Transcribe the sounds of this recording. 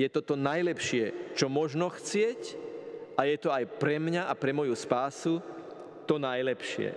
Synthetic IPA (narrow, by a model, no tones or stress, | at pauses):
jɛt̪ɔt̪ɔnajlɛpʃɪɛt͡ʃɔmɔʒnɔxt͡sɪɛc | ajɛt̪ɔajpɾɛmɲaʔapɾɛmɔjuspaːsu | t̪ɔnajlɛpʃɪɛ̰